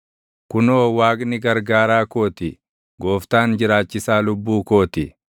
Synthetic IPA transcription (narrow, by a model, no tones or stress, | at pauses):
kʊnoːwaːɡnɪɡɐɾɡaːɾaːko̞ːt̪ɪ | ɡo̞ːft̪aːnd͡ʒɪɾaːt͡ʃːɪsaːlʊbːuːko̞ːt̪ɪ